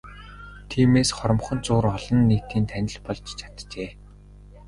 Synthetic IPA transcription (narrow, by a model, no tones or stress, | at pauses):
t̪ʰiːmeːsχɔɾɞ̆mχɞ̆nt͡sʊːrɔɮɞ̆nːekʰt̪iːnt̪ʰænʲɪ̆ɮpɔɮt͡ɕt͡ɕʰḁt̪t͡ɕeː